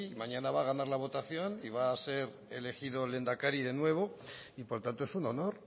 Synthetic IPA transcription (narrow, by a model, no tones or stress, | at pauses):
imaɲanaβaɣ̞anaɾlaβ̞o̞t̪aθjo̞niβ̞aːse̞ɾ | e̞le̞xiðo̞le̞nd̪akaɾiðe̞nwe̞β̞o̞ipo̞ɾt̪ant̪oe̞suno̞no̞ɾ